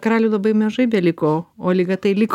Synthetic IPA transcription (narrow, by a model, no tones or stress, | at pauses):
kɾɑːlʲuːlˠɐbɐɪmɐʒɐɪbʲɛlʲɪkoːoːlʲɪɡɐt̪ɐɪlʲɪk